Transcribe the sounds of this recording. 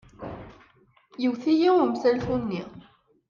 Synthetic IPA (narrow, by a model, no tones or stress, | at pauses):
jəwθijiʊmθælθunːi